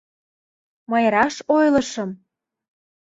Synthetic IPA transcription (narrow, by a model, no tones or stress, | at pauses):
məjɾɑʃojlɤ̆ʃɤ̆m